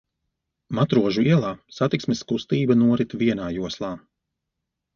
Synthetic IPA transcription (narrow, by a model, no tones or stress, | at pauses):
mat̪ɾuɔʒuiɛlˠaːsat̪iksmɛskust̪iːbanuɔɾit̪viɛnaːjuɔslˠaː